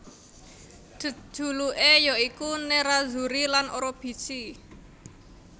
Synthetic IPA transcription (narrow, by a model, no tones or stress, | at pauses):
d̥ə̥ʒ̥ṳluʔejɔikuneɾazṳɾilanoɾob̥i̤si